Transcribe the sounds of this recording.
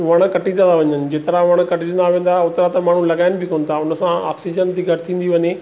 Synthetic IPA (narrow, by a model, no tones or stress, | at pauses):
ʋɐɽ̃kɐʈĩnːnaʋɐɲənɪ̆d͡ʑeːt̪əɾaʋɐɽ̃kɐʈɪd͡ʑə̃nd̪aːʋẽːn̆d̪aʊt̪ɾat̪ɐmaːɳ̤ũlɐɡaːɪnɪ̆bʱɪkoːn̆t̪ʰaʊnə̆sãa̰ːksid͡ʑənd̪iːɡʱɐɾɪt̪ʰĩːn̆d̪iʋɐɲe